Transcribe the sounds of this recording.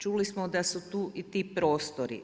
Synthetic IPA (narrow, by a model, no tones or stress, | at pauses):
t͡ʃuːlismod̪asut̪uːʔit̪iːpɾo̞ːst̪oɾḭ